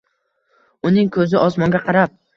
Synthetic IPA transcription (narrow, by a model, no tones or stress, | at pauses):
ʊnɪŋkʰɵzɪʔɒsmɒŋɡʲaqʰɑɾap̚